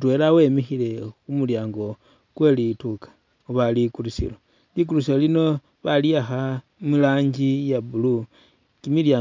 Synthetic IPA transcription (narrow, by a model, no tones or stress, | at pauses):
twe̞ːlawe̞mixile̞xumuljaːŋɡo̞ | kwelitukḁ | uβalikulusḭlo | lik̬ulusilolino̞ | βaliaxa | milaːɲɟijabulu | kimiljaː